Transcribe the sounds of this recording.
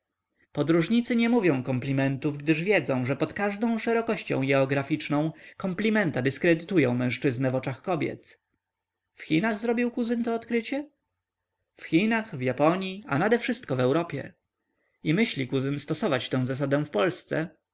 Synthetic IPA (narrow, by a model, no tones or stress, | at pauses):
pɔd̪ɾuʐɲit̪sɘɲɛmuvʲjɔ̃w̃kɔmplʲimɛnt̪uvɡd̪ɘʐvʲjɛd̪zɔ̃w̃ʐɛpɔt̪kaʐd̪ɔ̃w̃ʂɛɾɔkɔɕt͡ɕɔ̰̃w̃ɡɛɔɡɾafʲit͡ʂnɔ̃w̃kɔmplʲimɛnt̪ad̪ɘskɾɛd̪ɘt̪ujɔ̃w̃mɛ̃w̃ʂt͡ʂɘznɛvɔt͡ʂaxkɔbʲjɛ̰t̪ | fxʲinaɣzɾɔbʲiwkuzɘnt̪ɔːt̪kɾɘt͡ɕɛ | fxʲinaxvjapɔɲia̰nad̪ɛfʂɘst̪̚kɔvɛwɾɔpʲjɛ̰ | imɘɕlʲikuzɘnst̪ɔsɔvat͡ɕt̪ɛ̃w̃zas̬ad̪ɛw̃fpɔlst̪sɛ̰